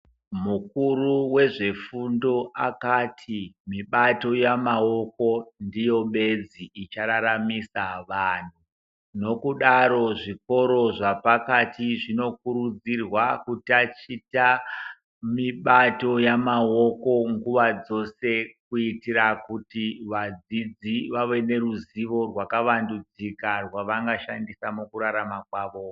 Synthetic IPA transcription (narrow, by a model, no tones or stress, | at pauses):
mukuruwe̞ʐe̞fundo̞ʔakatʰimiɓato̞jamao̞ko̞ndijo̞ɓe̞d͡ziːt͡ʃaɾaɾamisaʋaːn̤u | no̞kuɗaɾo̞ʐiko̞ɾo̞ʐapakatiʐino̞kuɾud͡zirwakutat͡ʃita | miɓato̞jamao̞ko̞ŋɡuʋad͡zo̞se̞kuitiɾakutiʋad͡zid͡ziʋaʋe̞ne̞ɾuziʋo̞rwakaʋandud͡zikarwaʋaŋɡaʃandisamukuɾaɾamakwaːʋo